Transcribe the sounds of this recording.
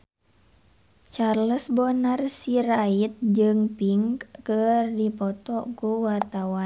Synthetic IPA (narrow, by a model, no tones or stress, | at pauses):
t͡ʃarləsbɔnarsiɾait̪̚d͡ʒɨŋpiŋkkərdipɔt̪ɔkuwart̪awan